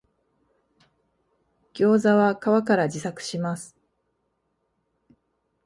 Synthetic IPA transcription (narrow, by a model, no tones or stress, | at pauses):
ɡ̥ʲo̞ːzaβakaβakaɾad͡ʑisakɯ̟̥ɕimasɨ̥